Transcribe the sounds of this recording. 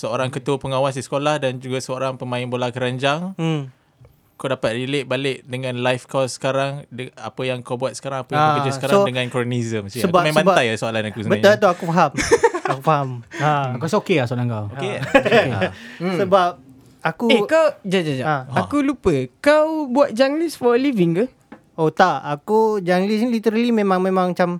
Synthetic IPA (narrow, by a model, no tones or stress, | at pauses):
səoɾaŋkət̪uwəpəŋawasdisə̥kolahdand͡ʒuɡasəoɾaŋpəmãɪnbolahkəɾaɲd͡ʒaŋ | akawdapat̪̚rileʔ̚balɪʔdəŋãnlajfkasə̥kaɾaŋdəa̰pəjaŋkawbuat̪̚sə̥kaɾaŋapəjad͡ʒasəkaɾaŋdəŋankoɾonizəmsiakbaumemãnt̪ajasoalanakusənbəiɲat̪uakufaɦamkafaɦamaakusokeahsonaŋkawoke | səbap̚ | akuekawd͡ʒad͡ʒad͡ʒaʔaʔakulupəkawbuat̪̚d͡ʒaŋlisfɔliviŋkə | ot̪aʔakud͡ʒaŋlis̬ilit̪əɾəlimẽmãŋmẽmãŋmat͡ʃam